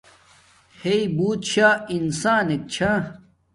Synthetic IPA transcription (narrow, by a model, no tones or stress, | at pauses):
heibuːt̪ɕaːinsaːnek̚t͡ɕʰa